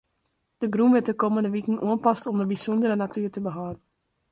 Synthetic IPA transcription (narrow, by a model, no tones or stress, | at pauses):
d̥əɡrumʋɪt̚əkoməndəʋikən̩ʔuənpɑstɔmdəbisɔndəɾənatyːrtəbəɦɔːdən̩